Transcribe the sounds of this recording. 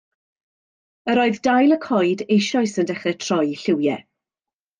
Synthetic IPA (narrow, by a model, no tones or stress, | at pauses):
əɾɔɨðdajlˠəkʰɔjdejʃɔjsəndɛχrɛtʰr̥ɔjɬɪwjɛ̰